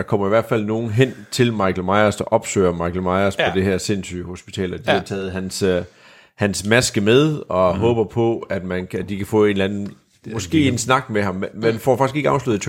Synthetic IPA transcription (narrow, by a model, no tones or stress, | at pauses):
ɑ̈kʰɒ̽m̰ɐiʋæɐ̰d̥fælno̝ːn̩ɦen̰t͡sʰe̝lmɑ̈ɪkʰl̩mɑ̈ɪɐsd̥ɑʔɒ̽b̥sø̰ːɪɐmɑ̈ɪkʰl̩mɑ̈ɪɐspʰɒ̽d̥e̝hæɐ̰se̝nsy̰ho̝sb̥i̥t͡sʰɛ̰ːlɐd̥ihɑ̈t͡sʰɛːð̞̩ˠɦæns | hænsmæsɡ̥əmeð̞ˠɒ̽ɦɔ̽ːb̥ɐpʰɒ̽æd̥mænʰæd̥ikʰæfɔ̰ːe̝ːnlænn̩ | mɒ̽sɡ̥e̝̰ːe̝nsnɑ̈ɡ̥meɦɑ̈mmenfɒ̰ːfɑ̈ɡ̥isɡ̥e̝ɡəɑ̈ʊsluð̩ˠt͡sʰ